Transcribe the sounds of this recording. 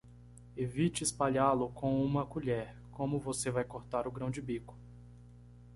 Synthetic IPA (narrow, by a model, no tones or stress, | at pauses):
evit͡ʃɪːspaʎalʊkʰõw̃ũmɐkuʎɛɾ | kõmʊvosevajkoɾt̪aɾʊɡɾɐ̃w̃d͡ʒɪbikʊ̥